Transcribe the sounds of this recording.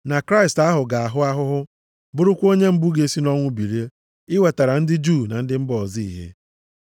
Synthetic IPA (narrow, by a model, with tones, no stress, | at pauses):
na˨kɾa˦ɪ˨sta˦ɦʊ˨ɡa˨a˨ɦʊ˦a˦ɦʊ˦ɦʊ˦ | bʊ˦ɾʊ˦kʷo˦ɲe˦m̩˦bu˦ɡe˦si˦nɔ˦ŋʷʊ˦bi˨ɾe˦ | ɪ˦we˨ta˨ɾa˨n̩˦dɪ˦d͡ʒu˦˨na˨n̩˦dɪ˦m̩˦bɔ˨zi˦ḭ˨ɦḛ˦